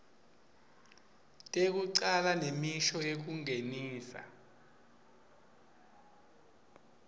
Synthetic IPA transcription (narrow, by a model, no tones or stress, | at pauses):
tʼek̬uǀalanemiʃɔek̬uŋeniːsa̰